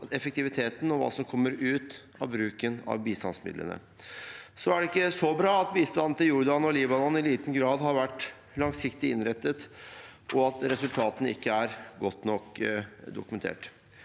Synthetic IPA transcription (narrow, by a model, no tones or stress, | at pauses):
ɛfəkt̪ɪʋɪt̪ʰeːt̪n̩ɔʋɑ̰ːsɔmkʰɔmːəɾʉːt̪ | ɑ̰ʋbɾʉːkənɑ̰ʋbiːst̪ɑ̰nsmɪd̪ə̰nə̰ | sɔæɖɛɪkːəsɔbɾɑːɑt̪biːst̪ɑnn̩t̪ɪljʊɾɖ̪ɑnɔliːbɑnɔnːɪliːt̪n̩ɡɾɑːd̪ɦɑɾʋæʈː | lɑŋsɪkt̪ɪɪnɾɛt̪ːət̪ʔɔɑt̪ɾɛsʉlt̪ʰɑːt̪ənəɪ̰kːəæɾɡɔt̪ːnɔkːd̪ʊkʉmɛnt̪ʰḛːʈ